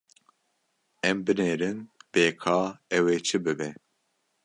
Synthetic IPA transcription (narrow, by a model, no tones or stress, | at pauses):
ɛmbɨneːɾɨnb̥eːkʰɑːɛweːt͡ʃʰɨbɨbɛ